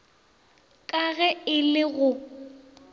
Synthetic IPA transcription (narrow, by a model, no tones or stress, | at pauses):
kʼaɣɛɪlɪɣʊ